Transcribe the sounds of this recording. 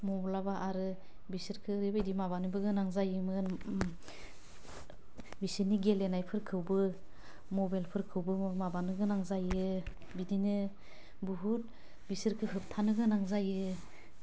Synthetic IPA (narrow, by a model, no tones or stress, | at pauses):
mɔblabaʔaɾɯ | bisɯɾkʰɯɾebajdimabanɯbɯɡɯnaŋzajɯmɯn | bisiniɡelenajpʰɯɾkʰɯwbɯ | mɔbajlpʰɯɾkʰɯwbɯmabanɯɡɯnaŋzajɯ | bidinɯ | buɦut̚ | bisɯɾkʰɯɦɯp̚tʰanɯɡɯnaŋzajɯ